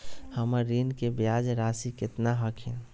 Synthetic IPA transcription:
həməɾːinkebjad͡ʒɾasikɪt̪naɦəkʰẽ

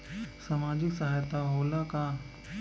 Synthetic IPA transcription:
samaːd͡ʒɪksaɦaːjt̪aɦoːlaka

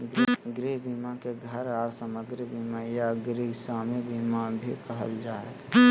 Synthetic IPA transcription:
ɡɾiɦbimakeɡʱəɾaːɾsəməɡɾbimajaɡɾiɦsaːmibimabʱikəɦə̰ld͡ʒaːe

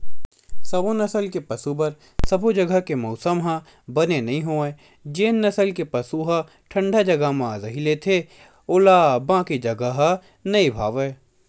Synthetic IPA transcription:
sɐbonɐsəlkepɐsubɐɾ | sɐbod͡ʒɐɡəkemɔːsəmɦã | bɐnenɐɦĩɦoːẽ | d͡ʒeːnːɐsəlkepɐsuɦa | ʈʰə̃ɳɖʱad͡ʒɐɡamãːzɐɦilet̪ʰe | ʊlaːbãːkid͡ʒɐɡəɦa | nɐibʱaːʋeː

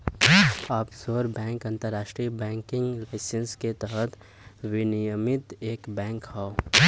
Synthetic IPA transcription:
aːpsoːɾbɛ̃ːŋkɐ̃nt̪əɾːaːʃʈɾibɛ̃ːŋkɪ̃ŋɡlaːɪsənsket̪əɦət̪ | wɪnijəmɪt̪eːkbɛ̃ːŋkhao

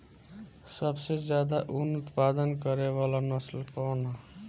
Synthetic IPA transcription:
səbsed͡ʒjaːd̪aʔunʊt̪paːd̪ənkəɾeʋalanəslpɔna

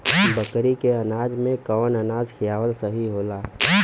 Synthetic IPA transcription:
bəkɾikeənaːd͡ʒmẽkəʋnənaːd͡ʒkʰijaːʋəlsəɦiɦoːlaː

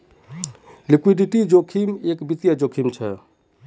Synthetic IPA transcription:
lɪkwiɖiʈid͡ʒoːkʰimeːkbit̪jad͡ʒoːkʰimt͡ʃʰɛ

